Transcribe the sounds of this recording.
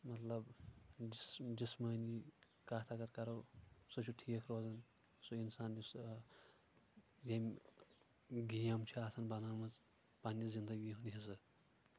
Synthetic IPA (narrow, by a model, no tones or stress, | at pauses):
mɐt̪lɐbd͡ʒisd͡ʒismɐːni | kaːt̪ʰakɐɾkɐɾɐwsut͡ʃʰuʈʰiːkʰɾoːzɐn | suinsaːnlis | jemʲ | ɡijɐmt͡ʃʰiaːsɐnbɐnaːmɐt͡s | panʲːizind̪ɐɡiɦuniɦesɨ